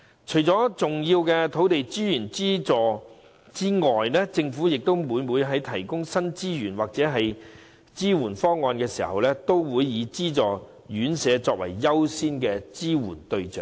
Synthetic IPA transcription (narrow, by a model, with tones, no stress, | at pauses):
t͡ʃʰɵ˨˩jt͡sɔː˨˥t͡sʊ˨ŋjiː˧wkɛː˧t̪ʰo˨˥wt̪e˨jt͡si˥jyː˨˩nt͡siː˥t͡sɔː˨ | t͡siː˥ŋɔː˨jlɛː˥t͡sɪ˧ŋfuː˨˥jɪ˨k̚t̪o˥wmuː˨˧nmuː˨˧jɦɐ˨˥jt̪ʰɐ˨˩jkʊ˥ŋsɐ˥nt͡siː˥jyː˨˩nwaː˨k̚t͡sɛː˨˥ɦɐ˨j | t͡siː˥wuː˨˩nfɔː˥ŋːɔː˧nkɛː˧sḭː˨˩hɐ̰˨wlɛː˥t̪o˥wwuː˨˧jːiː˨˧t͡siː˥t͡sɔː˨˩ | jyː˨˥nsɛː˨˧t͡sɔː˧k̚wɐ˨˩jːɐ˥wsiː˥nkɛː˧t͡siː˥wṵː˨˩nt̪ɵ˧ɥt͡sœ̰ː˨˩ŋ